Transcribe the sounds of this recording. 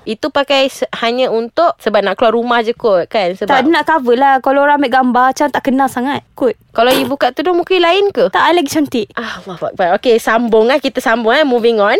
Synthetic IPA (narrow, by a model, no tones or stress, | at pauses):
it̪upakajsəhaɲəunt̪ʊʔsəbap̚naʔkluaʔrumahd͡ʒəkot̪̚kansəbt̪adənaʔkawəlahkalaoɾamɛʔ̚ɡambat͡ʃɾant̪aʔkənalsaŋat̪̚kʊt̪̚kalawjibukaʔt̪udʊmukajlaɪnkut̪aʔalaɡit͡ʃɔnt̪iʔʔahlːɔhfa̰k̚baʔokesambʊŋakit̪əsambʊŋamuviŋɔn